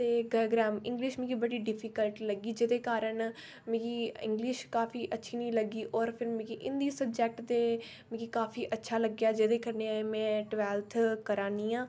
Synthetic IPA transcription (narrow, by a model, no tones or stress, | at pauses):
t̪eːɡajɡɾaːmɪ̃ŋɡlɪʃmɪ̃ːɡiːbəɽiːɖɪpʰiːkəlʈləɡiːd͡ʒɪd̪eːkaːɾən | mẽkiːɪ̰̃ŋɡlɪʃkaːpiːʔətːʃʰiːnĩːləɡiːʔɔːɾpʰɪɾmẽːkiːʔɪnd̪iːsəb̚d͡ʒɛːk̚ʈt̪eː | mɪ̃ːkikaːpʰiːʔətːʃʰaːləɡjaːd͡ʒɪd̪eːkənemɛ̃ːʈʋɛːlt̪ʰkəɾãːniːãː